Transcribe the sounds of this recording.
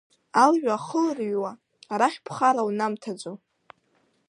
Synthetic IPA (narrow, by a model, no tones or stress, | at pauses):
alʒᶣaːχəlrɥwaː | ɾaχʲpʰχaɾawnamtʰad͡ʒʷo